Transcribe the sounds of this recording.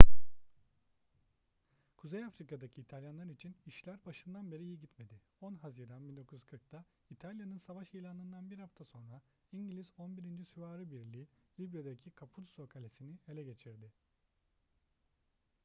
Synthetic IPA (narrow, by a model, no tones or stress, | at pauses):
kʰuzejafɾikad̪acʰiːt̪ʰalʲjanlˠaɾit͡ʃʰiniʃlʲæɾbaʃɯnd̪anbe̞ɾiijiɟit̪me̞d̪i | onɦaziːɾanbind̪o̞kʰujz̥kʰɯɾk̚t̪ʰa | it̪ʰalʲjanɯnsavaʃejlʲˠanɯnd̪anbiɾhaft̪ʰaso̞nɾa | iɲɟilʲizo̞nbiɾind͡ʒisyvaːɾɯbiɾlʲiːlʲibjad̪acʰikʰapʰud̪u̥so̞kʰalʲesinie̞lʲɛɟe̞t͡ʃʰiɾd̪ɪ